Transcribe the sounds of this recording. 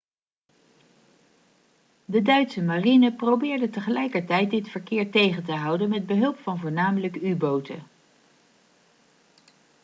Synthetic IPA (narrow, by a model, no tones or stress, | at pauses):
dədœɥtsəmarinəprowbɪːɹdətəχəlɛjkəɹtɛjt̚dɪtfəɹkɪːɹtejχəntəɦɑwdənmɛd̚bəɦɵlˠpfɑnvʊːɹnaːmələkybowtə